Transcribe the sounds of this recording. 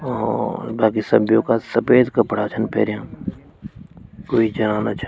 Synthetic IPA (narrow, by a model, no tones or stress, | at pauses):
baːk̬isə̰bʱjõkasəpeːd̪kɐpəɽ̤at͡ʃʰənpʰḛːɾjãː | koːid͡ʒənaːnat͡ʃʰ